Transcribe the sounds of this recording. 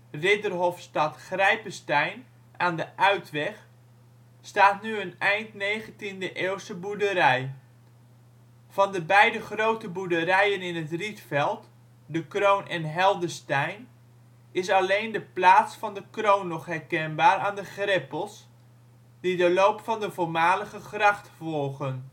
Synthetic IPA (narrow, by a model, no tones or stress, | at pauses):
rɪdərɦɔfstɑtχrɛjpəstɛjn | aːndəʔœɥtʋɛχ | staːtnyənɛjntnejχəntindəʔeːlˠstəbudəɾɛj | fɑndəbɛjdəχrowtəbudərɛjənɪnətritfɛlˠt | dəkrownʔɛnɦɛlˠdəstɛjn | ɪsɑlejndəplaːtsfɑndəkrownːɔχɦɛɹkɛnbaːɾaːndəχrɪpəlˠs | d̥idəlowpfɑndəvʊːɹmaːləχəχrɑχtfɔlˠχən